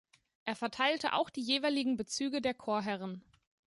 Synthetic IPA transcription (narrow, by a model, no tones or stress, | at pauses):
ʔeːɐfɛɐtʰaɪltə̰ʔa̰ʊxd̥iːjeːvaɪlɪɡŋ̩bət͡syːɡədeːɐkʰoːɐɦɛʁ̞ən